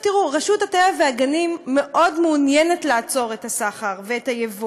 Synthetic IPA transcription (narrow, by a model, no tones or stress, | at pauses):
tiʁuʁaʃuthatevaveaɡanimːeʔo̞dmeunjenetlaat͡so̞ʁetasaχaʁveetajevu